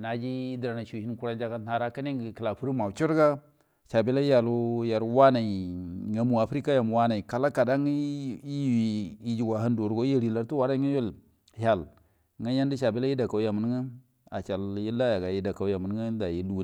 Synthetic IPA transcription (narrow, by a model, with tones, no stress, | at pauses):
na˨d͡ʒi˦dɾa˨na˨ʃu˨i˦nku˦ɾa˦nd͡ʒa˦ɡa˦a˨ɾa˦ka˦ni˦ŋɡkə˨la˨pu˦ɾi˦ma˨t͡ʃu˦ɾɡa˦ | ʃa˨bi˦la˦ja˨lu˦ja˨ɾwa˦na˨i˨ŋa˨mu˨a˨fɾi˦ka˦ja˨mu˨wa˦na˨i˨ka˨la˦ka˨da˦ŋ˦i˦i˨i˦d͡ʒi˨ɡa˨ɦa˦ndo˨ɾɡo˦e˦ɾi˨la˨ɾtu˦wa˨ɾa˦ŋa˦jo˦˨l | ha˨l | ŋa˦ja˦n˦di˦ʃa˨bi˦la˦ji˦da˨ka˨wja˨mə˨n˦ŋə˦ | a̰˨t͡ʃa˨lji˦lːa˦ja˨ɡa˨ji˦da˨ka˨˦ja˨mu˨n˦ɡə˦da˨ji˨lu˨˦˨